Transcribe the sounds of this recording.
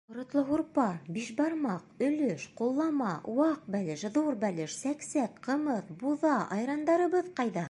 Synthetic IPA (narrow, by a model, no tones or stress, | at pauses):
ŏɾŏt̪lˠɤɦuɾpɑbiʃbɑɾmɑqɵ̆lɵʃqulˠːɑmɑwɑq̚bælɘʃðuɾbælɘʃsæksækqɤ̆mɤθbuðɑʔɑ̰jɾɑnd̪ɑɾɤ̆βɤðqɑjðɑ